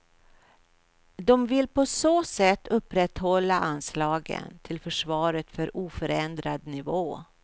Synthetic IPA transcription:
d̪ɔmvɪlpʰɔsoːsɛt̪ːɵpːɾɛt̪ːhɔlːaʔanslɑːɡə̰nt̪ʰɪlfœʂvɑːɾət̪fœɾʔuːfœɾɛnd̪ɾad̪nɪvoː

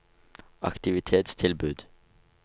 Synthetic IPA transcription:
ɑ̰kt̪ɪʋɪt̪ʰeːt̪st̪ʰɪlbʉːd̪̥

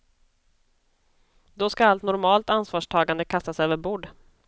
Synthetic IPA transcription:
d̪ɔskaalt̪nɔɾmɑːlt̪ansvɑːʂʈʰɑːɡand̪əkʰast̪asøːvəɾbuːɖ

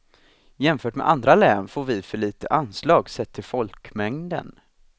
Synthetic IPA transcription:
jɛmfœːʈmɛ̰ʔand̪ɾalɛːnfoːɾvɪfœɭiːt̪əʔanslɑːɡsɛt̪ʰːɪfɔlkmɛŋd̪ə̰n

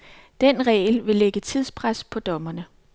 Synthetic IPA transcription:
d̥enʁɛ̰ːɪlʋe̝leɡ̥ət͡sʰiðˠspʰʁaspʰɒ̽d̥ɒ̽mɐnə

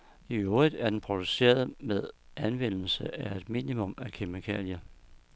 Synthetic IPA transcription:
ioːið̥ˠæɐd̥enpʰʁo̝d̥use̝̰ːɐð̞ˠmeðˠʔænʋen̰l̩səæe̝d̥mḭːnimɔ̽mækʰemikʰæljɐ

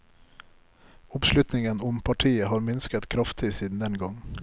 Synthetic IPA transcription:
ɔpslʉt̪nɪŋənɔmpʰɑʈʰiːəɦɑɾmɪnskət̪kʰɾɑft̪ʰisiːd̪nd̪ɛnɡɔŋː

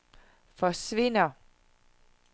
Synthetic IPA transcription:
fɒ̽sʋe̝n̰ɐ

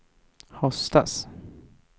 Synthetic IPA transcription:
hɔst̪as

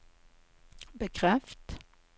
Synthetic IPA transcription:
bəkʰʁɛft̪

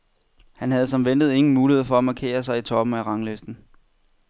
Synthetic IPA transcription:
hænɦæð̞̩ˠsɒ̽mʋend̥ð̞̩ˠe̝ŋn̩muːlihe̝ð̰ˠfɒ̽æmɑ̈ːkʰe̝̰ːɐsɑ̈ɪit͡sʰɒ̽b̥m̩æʁɑ̈ŋlesd̥n̩

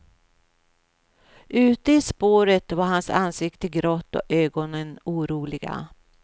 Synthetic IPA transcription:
ʔʉ̟ːt̪əɪspoːɾət̪vaɾɦansa̰nsɪkt̪əɡɾoːt̪ːɔ̰øːɡɔnənuːɾuːlɪɡa̰

